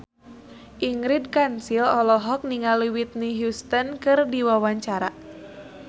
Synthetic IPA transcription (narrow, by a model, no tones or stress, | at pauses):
ʔiŋɡɾid̚kansilɔlɔɦɔk̚niŋaliwit̪̚niɦjust̪ənkɨrdiwawaɲt͡ʃaɾa